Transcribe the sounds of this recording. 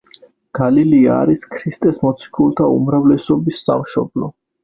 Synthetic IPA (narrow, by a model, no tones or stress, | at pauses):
ɡ̥alilia̰ːɾiskʰɾist̪ʼɛsmɔt̪sʰi̥kʰulˠt̪ʰaṵmɾavlɛsɔbisːamʃɔblɔ